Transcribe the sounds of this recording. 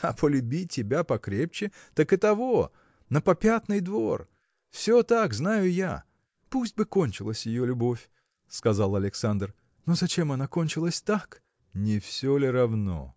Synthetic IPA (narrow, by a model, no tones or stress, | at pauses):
ɐpəlʲʊbʲitʲɪbʲapɐkɾʲep̚t͡ɕɪ | t̪əkɨt̪ɐvo | nəpɐpʲat̪nɨjd̪vo̞r | fsʲot̪akznajʊja̰ | pusʲt̚ʲbɨko̞nʲt͡ɕɪlˠəsʲjɪjolʲʊbo̞fʲ | skɐzalˠɐlʲɪksand̪r | no̞zɐt͡ɕe̞mɐnako̞nʲt͡ɕɪlˠəsʲt̪ak | nʲɪfsʲolʲɪɾɐvno̰